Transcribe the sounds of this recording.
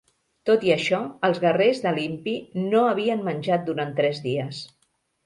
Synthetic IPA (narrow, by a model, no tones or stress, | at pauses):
t̪ot̪iəʃɔəlˠzɣərezðəlimpinoəβ̞iənmənʲʒat̪̚d̪uɾant̪ɾɛzðiəs